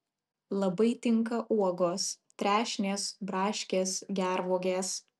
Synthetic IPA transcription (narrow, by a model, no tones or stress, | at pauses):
lˠɐbɐɪt̪ʲɪŋˑkɐʔuɔɡoːst̪ʲɾʲæːʃʲnʲeːsbɾɑːʃʲkʲeːsɡʲæɾʋuɔɡʲeːs